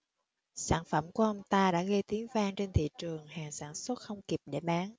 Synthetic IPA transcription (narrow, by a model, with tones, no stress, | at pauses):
saː˧˩nfə˧˩mku˧˩əʔə˧wŋ͡mt̪aː˧ɗa̰ː˧˥ɣə˧jt̪i˨˦əŋvaː˧ŋt͡ɕe˧nt̪ʰḭ˧˨t͡ɕɨ˨˩əŋhaː˨˩ŋsaː˧˩nswə˦˥t̚xə˧wŋ͡mki˨˩p̚ɗe˧˩ɓaː˨˦ŋ